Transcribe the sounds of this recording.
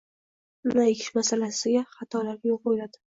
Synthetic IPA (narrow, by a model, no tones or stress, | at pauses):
majekʲʰɪ̥ʃmasalasɪɡʲaχɑt̪ʰɒlaɾɡʲajol̚bojɪlad̪ɪ̥